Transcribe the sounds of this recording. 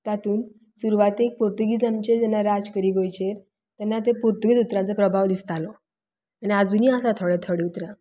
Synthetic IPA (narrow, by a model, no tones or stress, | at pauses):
t̪at̪uːn | suɾuʋat̪eːk̚poɾt̪uɡid͡zamt͡ɕed͡ʑɛnːaɾad͡zkəɾiːɡojt͡ɕeɾ | t̪ɛnːat̪epoɾt̪uɡit͡sut̪ɾãnt͡səpɾəbʱaʋd̪ist̪alɔ | aniad͡zuːniːasat̪ʰoɽɛt̪ʰoɽeut̪ɾa